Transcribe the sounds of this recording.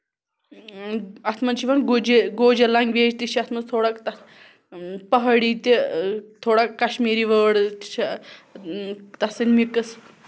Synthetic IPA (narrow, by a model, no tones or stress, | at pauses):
ɐt̪ʰmɐnt͡ʃʰiʋɐnɡd͡ʒeɡoːd͡ʒelɐŋɡʲʋeːd͡ʒt̪it͡ʃʰiɐt̪ʰmɐnst̪ʰoːɽakt̪ɐ | pɐɦɐɽiːt̪it̪ʰoːɽakkɐʃmiːɾiʋəːɽt͡ʃʰi | t̪ɐsɐnʲmikɨs